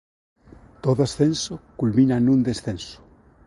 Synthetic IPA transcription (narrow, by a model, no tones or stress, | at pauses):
t̪oðoasθẽnsokulmĩnanũnd̪esθẽnso̥